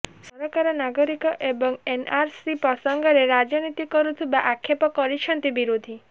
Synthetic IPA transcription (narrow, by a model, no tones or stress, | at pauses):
sɔɾɔkaɾɔnaɡɔɾikɔʔebɔŋenaɾsipɾɔsɔŋɡɔɾeɾad͡ʒɔnit̪ikɔɾut̪ʰibaʔakʰːepɔkɔɾit͡ʃʰɔnt̪ibiɾod̪ʱi